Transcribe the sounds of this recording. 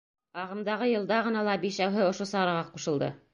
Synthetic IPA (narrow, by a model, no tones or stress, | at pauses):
ɑʁɤ̆md̪ɑʁɤjɤ̆lˠd̪ɑʁɤ̆nɑlˠɑbiʃæwɦɘŏʃosɑɾɑʁɑqːuʃɤ̆lˠd̪ɤ̰